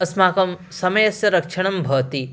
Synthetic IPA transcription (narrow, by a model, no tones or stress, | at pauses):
ɐsmaːkɐm | sɐmɐjɐsjɐɾɐkʂɐɳ̃ɐmbʱɐːt̪i